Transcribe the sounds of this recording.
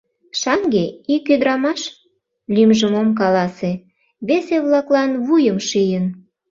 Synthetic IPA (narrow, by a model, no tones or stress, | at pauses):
ʃɑŋɡeikød̪ɾɑmɑʃ | lʲymʒəmomk̬ɑlɑse | βeseβlɑklɑnβujəmʃijən